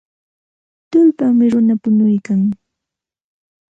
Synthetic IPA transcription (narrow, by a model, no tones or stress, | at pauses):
t̪ʊlpaŋmɪɾʊnapʊnʊjkaŋ